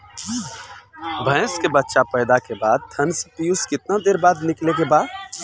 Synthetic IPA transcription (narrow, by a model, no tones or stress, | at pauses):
bʱə̃ːskebətːʃapɛɪd̪akebaːd̪̚t̪ʰɐnspijuskɪt̪nad̪eːɾbaːd̪nɪklekebaːd̪